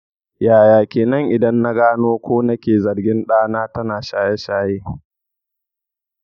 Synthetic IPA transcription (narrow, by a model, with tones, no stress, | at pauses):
jaː˨jaː˨kʲeː˨nɐ˦ŋʔɪ˨dɐ˦nːa˦ɡaː˦noː˦kʷoː˦nɐ˦kʲeː˨zɐ˨rɡʲɪ˦nɗaː˦naː˦tɐ˦naː˨ʃaː˦jɛ˦ʃaː˦jeː˦